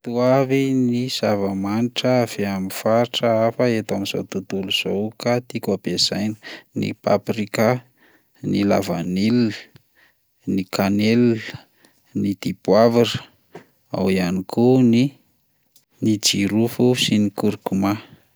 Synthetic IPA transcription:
t̪uaviniz̥avəmaniʈ͡ʂəv̥eamifaɾʈ͡ʂəafəet̪amiz̥o̰t̪ud̪uluz̥owkat̪ikʲabez̥ajnə̥nḭpaprika | nila̰vanil | nikanel | nid̪̥ipwavirə̥ | a̰wianikʰuni | nid͡ʒiɾufusinikuɾkuma

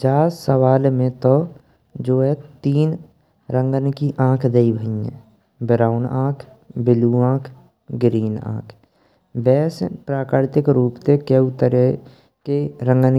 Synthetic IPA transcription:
d͡ʒaːsəʋaːlmẽt̪o | d͡ʒoːɦɛt̪iːn | ɾə̃ŋɡənkiʔãːkʰd̪eibʱəĩɛ̰̃ː | bɪɾaːʊnãːkʰ | bɪluãːkʰ | ɡɾiːnã̰ːkʰ | bɛːspɾaːkəɾt̪ɪkɾuːpt̪ekeʊt̪əɾe | keɾə̃ŋɡən

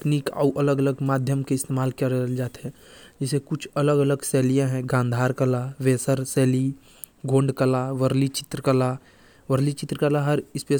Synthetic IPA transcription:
kniːka̰uʔɐləɡələɡmaːd̪ʱjəmkeɪst̪eːmaːlkəɾd͡ʒaːt̪ɦɛ̃d͡ʒɛːsekʊt͡ʃʰɐləɡələɡsɛːlijãɦɛ̃ɡãːnd̪ʱaːɾkəlaʋeːsəɾsɛːli | ɡʱõːɳɖkəlaʋəɾlit͡ʃɪ̥t̪ɾəkəla | ʋəɾlit͡ʃɪt̪ɾəkəlaɦəɾɪspe

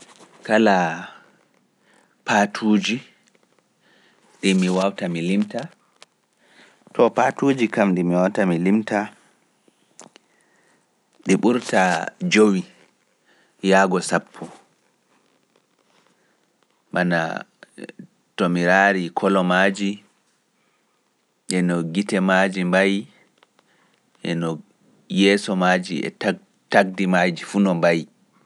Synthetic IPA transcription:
kala | patʰuːd͡ʒi | ɗimiwawtamilimta | tʰɔpatud͡ʒikamdimiwawtamilimta | ɗiɓuɾtad͡ʒowi | jaːɡɔsapʰːɔ | mana̰ | tomiɾaɾikʰɔlɔmad͡ʒi | ʔɛnɔɡitɛmad͡ʒimbaj | ʔɛ̰nɔ | jɛːsɔmad͡ʒiɛ̰ | taɡ̚dimad͡ʒifunɔmbaj

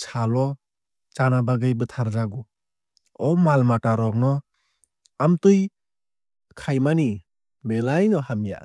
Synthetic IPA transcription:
t͡ʃʰalɔ | t͡ʃanabaɡɯjbɯtʰaɾd͡ʒaɡu | ɔmalmataɾɔk̚nɔ | amtɯj | kʰajmani | belajnɔhamja̰

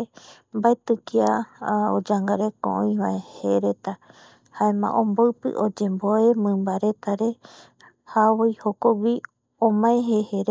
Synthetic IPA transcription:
mbaet̪ɨkiaod͡ʒaŋɡaɾekõ̰ʔõj̃βaeheɾet̪a | haemã̰ʔõmboɨpɨ̰ʔod͡ʒẽmboemɨ̃mbaɾet̪aɾe̞ | haβojhokoɡʷi | õmãẽɦeheɾ

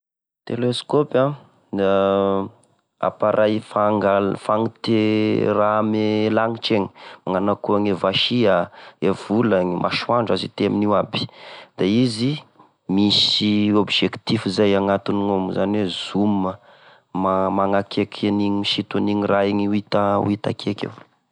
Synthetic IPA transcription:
t̪eleskopa | a̰paɾʔajfaŋɡalfaŋit̪eramelaŋiʈ͡ʂeɲi̥maŋanakuaŋevaʃiaev̥ulaŋimʔa̰ʃuaɳɖ͡ʐazḭt̪eminiwabi̥d̪̥aizi | misiobid͡ʒekt̪ifizajaŋat̪iniŋomuzaniwez̥umə | mamaŋakʰekʰeniɲimiʃit̪aniŋiraiɲiuit̪aṵit̪a̰kʰekḛw

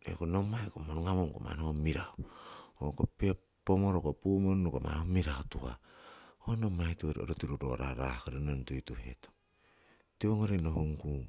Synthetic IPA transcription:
ḛkonomajkomonuŋamonko̰ma̰nomiɾaookopi | pomoɾokopumonnukoma̰nomiɾaotuka̰ | onomajtuɾo̰ɾotiɾuɾo̰ɾa̰ɾa̰kaɾenontojtuhḛto | tioŋoɾenoɦuŋku

